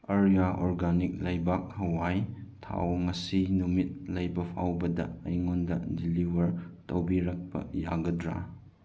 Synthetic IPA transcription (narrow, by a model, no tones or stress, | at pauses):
ɐɾijaʔoɾɡanik̚lɐjbak̚hɐwajtʰa̰wŋɐsinumit̚lɐjbɐpʰawbɐdɐ̰ɐ̰jŋondɐ̰diliwɐɾtɐwbiɾak̚pɐ̰ja̰ɡɐdɾa̰